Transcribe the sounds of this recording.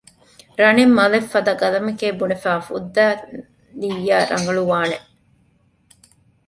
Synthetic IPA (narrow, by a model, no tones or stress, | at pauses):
ɾɐnemːɐlefːɐd̪ɐɡɐlɐmekeːbunefæːfṵd̪ːæː | d̪ijːaːɾʔɐ̰ŋɡɐluʋaːneʔ